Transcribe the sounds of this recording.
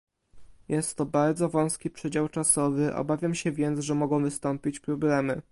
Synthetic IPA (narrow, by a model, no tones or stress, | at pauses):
jɛst̪ːɔbaɾd̪zɔvɔ̃w̃skʲipʂɛd͡ʑawt͡ʂasɔvɘʔɔ̰bavʲjamɕɛvʲjɛnt̪zʐɛmɔɡɔ̃w̃vɘst̪ɔmpʲit͡ɕpɾɔblɛmɘ